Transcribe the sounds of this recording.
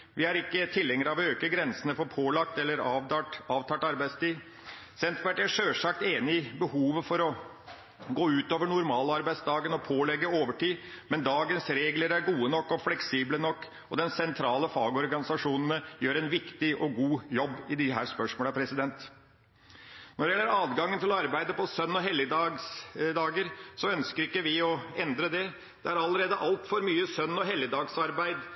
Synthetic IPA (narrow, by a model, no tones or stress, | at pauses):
ʋɪæɾɪkːət̪ʰɪlːɛŋːəɾɑʋøːkəɡɾɛnsənəfɔɾpʰoːlɑk̚t̪ɛlːəɾɑɑːʋt̪ʰɑːʈɑɾbæɪt̪st̪iː | sɛnt̪ʋæʈæʂøːʂɑk̚t̪eːnɪɪbəhuːʋəfɔɾɔ | ɡoːʉːt̪oːʋəɳʊɾmɑːləɑɾbæɪt̪sd̪ɑːɡənɔpʰoːlɛɡːəoːʋəʈiːmɛnd̪ɑːɡənsɾeːɡləɾæɾɡuːənɔkːɔflɛksiːblənɔkː | ɔd̪ɛnsɛnt̪ʰɾɑːləfɑːɡɔɾɡɑnɪsɑʂuːnən̩əjøːɾɛnʋɪkt̪ɪʔɔɡuːjɔbːɪd̪ɪɦæːɾspœʂmoːləpʰɾɛsɪd̪ɛnt̪ | nɔɾɖɛjɛlːəɾɑːd̪ɡɑŋːənt̪ʰɪlɔɑɾbæɪd̪əpʰɔsœnːɔɦɛlːəd̪ɑɡsd̪ɑːɡəɾsɔœnskəɾɪkːəʋɪɔɛnd̪ɾəd̪ɛ | d̪̥ɛæɾɑlːəɾeːd̪əʔɑlt̪fɔɾmyːəsœnːɔɦɛlːəd̪ɑːɡsɑɾbæɪd̪